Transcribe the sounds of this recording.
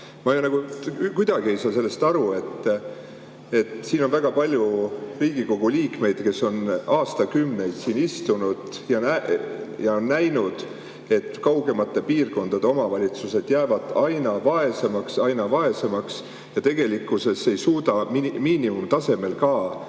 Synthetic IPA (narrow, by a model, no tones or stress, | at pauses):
mɑjonɑɡ̥ut̪kujd̪̥ɑɡ̥ie̞jsɑːse̞lːe̞st̪ɑɾue̞t̪ː | e̞t̪siːno̞nvæɡ̥ɑpɑlʲjuriːɡ̥iko̞ɡ̥uliːkme̞jd̪̥ke̞so̞nɑːst̪ɑkymne̞jd̪̥siːnist̪unud̪̥ | jɑnæjɑonːæjnud̪̥ | e̞t̪ːˑkɑwɡ̥e̞mɑt̪ːˑe̞piːrko̞nd̪̥ɑd̪̥e̞o̞mɑvɑlʲit̪suse̞d̪̥jæːvɑd̪̥ɑjnɑvɑe̞se̞mɑksɑjnɑvɑe̞se̞mɑks | jɑt̪e̞ɡ̥e̞likːˑuse̞se̞jsuːd̪̥ɑmimiːnimumt̪ɑse̞me̞lkɑː